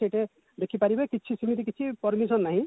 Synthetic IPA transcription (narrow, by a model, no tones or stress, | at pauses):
eʈe | d̪ekʰipaɾibekit͡ʃʰisimit̪̬ik̬it͡ʃʰipɔɾmisɔnːaɦĩ